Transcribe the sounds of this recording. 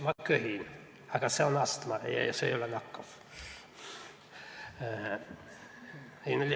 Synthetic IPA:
mɑkːøhiːn | ɑikːɑseonɑst̪mɑḛjḛsḛijolːɑnɑkːɑf | niːnolʲ

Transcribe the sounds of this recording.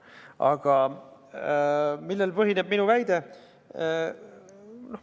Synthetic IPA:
ɑ̰ɡ̥ɑ | milːelpɤɦineb̥̚minuvæjd̪̥e̞ | no

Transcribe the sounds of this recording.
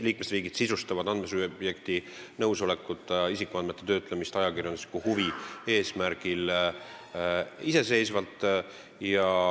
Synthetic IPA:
liːk̚me̞sriːɡ̥id̪̥sisust̪ɑvɑd̪ɑnd̪me̞sub̥je̞kt̪i | nɤwso̞le̞kːˑut̪ːˑisikːˑuɑnme̞t̪ːˑet̪ø̞ːt̪ˑlemist̪ɑjɑkirjɑnuslikːuhuvie̞ːsmæɾɡ̥il | ise̞se̞jsvɑlt̪ˑː | jɑ

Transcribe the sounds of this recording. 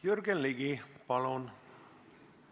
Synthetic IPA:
jørɡenliɡipɑlon

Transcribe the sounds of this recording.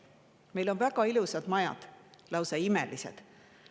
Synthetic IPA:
me̞jlo̞nvæɡ̥ɑilusɑd̪̥mɑjɑ̰d̪̥lɑwseimḛlisḛd̪̥

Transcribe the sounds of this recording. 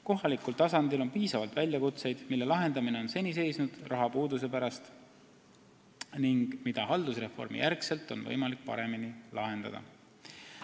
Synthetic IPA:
ko̞ɦɑlikːult̪ɑsɑnd̪̥ilo̞npiːsɑvɑlt̪vælʲjɑkut̪se̞jd̪̥milːe̞lɑɦe̞nd̪ɑmine̞o̞nse̞nʲis̬e̞jsnud̪̥rʔɑɦɑpuːd̪us̬e̞pæɾɑst̪ | niŋɡ̥mid̪̥ɑɦɑld̪usre̞fo̞̰rmḭjærkse̞lt̪ːˑo̞nvɤ̰jmɑlik̚pɑ̰ɾe̞minilɑɦe̞nd̪̥ɑ̰d̪ɑ̰

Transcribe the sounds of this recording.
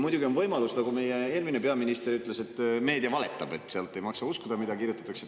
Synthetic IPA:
mujd̪uɡʲio̞nvɤjmɑlust̪ɑɡ̥ume̞je̞eːrminepeɑminist̪eɾyt̪ːˑle̞se̞t̪ːme̞ːd̪iɑvɑle̞t̪ːˑɑb̥e̞t̪ːˑseɑlt̪ːˑe̞jmɑksɑuskud̪̥ɑmid̪ɑkirjut̪ːˑɑ̥t̪ːˑɑkse

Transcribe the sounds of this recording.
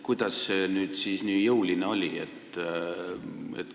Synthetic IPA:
kujd̪̥ɑsːenyːd̪siːsnyːjɤulineo̞lʲiet̪ː | ḛt̪

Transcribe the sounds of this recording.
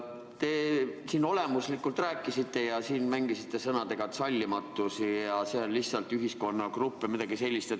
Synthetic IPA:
t̪e̞siːno̞le̞muslikːult̪ræːkːˑisit̪ːe̞jɑsiːnmæŋɡ̥isit̪ːˑe̞sɤnɑd̪e̞ɡ̥ɑt̪sɑlʲːimɑt̪ːˑusijjɑselʲːihsɑlt̪yɦisko̞nːɑkrupːemid̪ɑɡ̥ise̞lʲːist̪e

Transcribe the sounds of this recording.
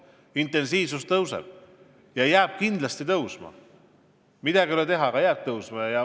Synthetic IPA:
int̪ːˑe̞nsiːvsust̪ɤwsḛl | jɑjæːb̥̚kind̪lɑst̪it̪ɤwsmɑ̰ | mid̪̥æɡilet̪eɦɑɡɑjæːb̚t̪ɤwsmɑjɑ

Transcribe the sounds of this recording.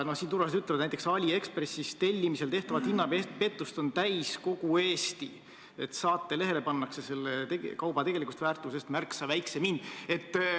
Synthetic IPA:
nosint̪urvɑst̪yt̪leɑd̪næjt̪ːˑeksɑlʲie̞kspresist̪e̞lʲːimise̞lt̪e̞ht̪ɑvɑt̪hinːɑpepe̞t̪ːˑust̪o̞nt̪æjsko̞ɡ̥ue̞ːst̪i | et̪sɑːt̪ːe̞le̞ɦe̞le̞pɑnːɑkse̞se̞lːet̪eɡkɑwbɑt̪e̞ɡ̥e̞likust̪væːrt̪ːˑuse̞st̪mærksɑvæjksemind̪̥e̞t̪ː

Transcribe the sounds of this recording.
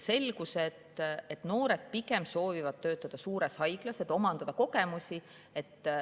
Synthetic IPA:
se̞lɡ̥uset̪et̪no̞ːɾe̞d̪̥̚pikˑe̞mso̞ːvivɑd̪̥̚t̪ø̞ːt̪ːˑɑd̪̥ɑsuːɾe̞shɑjɡ̥lɑse̞d̪̥o̞mɑnd̪̥ɑd̪ɑko̞ke̞musʲi | e̞t̪ːˑ

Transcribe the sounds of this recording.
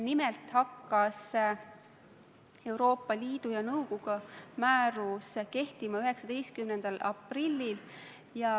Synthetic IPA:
nimelt̪hɑkːɑs | e̞wɾo̞ːpːˑɑliːd̪̥ujɑnɤwɡ̥uɡ̥ɑmæːɾuske̞ht̪imɑyɦe̞ksɑd̪̥ejst̪̚kymnend̪̥ɑlɑ̰prilʲːil | jɑ

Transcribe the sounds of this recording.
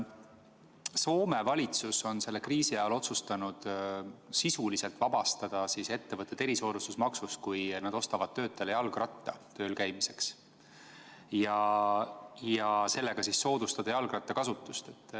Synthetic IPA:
so̞ːme̞vɑlʲit̪suso̞nse̞lːe̞kriːsijɑolo̞t̪sust̪ɑnud̪̥sisulise̞lt̪ˑvɑb̥ɑst̪ɑd̪̥ɑsise̞t̪ːe̞vɤt̪ːˑet̪e̞ɾiso̞ːd̪ust̪usmɑksust̪̚kujnɑd̪̥o̞st̪ɑvɑd̪̥̚t̪ːø̞ːt̪ːˑelejɑlɡrɑt̪ːˑɑt̪ø̞ːlkæjmise̞ks | jɑ | jɑse̞lːe̞ɡ̥ɑsisːo̞ːd̪̥ust̪ɑd̪̥ɑjɑlɡ̥rɑt̪ːˑɑkɑsut̪ːˑust̪et̪ːˑ

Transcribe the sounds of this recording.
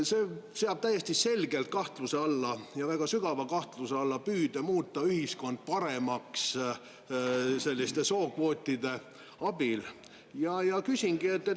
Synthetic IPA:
se̞ːseɑb̥̚t̪æjːest̪ise̞lɡe̞lt̪̚kɑht̪luse̞ɑlːɑjɑvæɡ̥ɑsyɡ̥ɑvɑkɑht̪luseɑlːɑpyːd̪̥emuːt̪ˑːɑyhisko̞nd̪̥̚pɑɾe̞mɑks | se̞lʲːist̪e̞so̞ːkvo̞ːt̪ʲːid̪̥e̞ | ɑbil | jɑjɑkysʲiŋɡ̥ie̞t̪ːe

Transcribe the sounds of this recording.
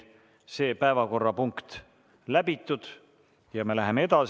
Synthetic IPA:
se̞ːpæevɑko̞rːɑpuŋkt̪ | læbit̪ˑːud̪̥ | jɑme̞læɦe̞mee̞d̪̥ɑs

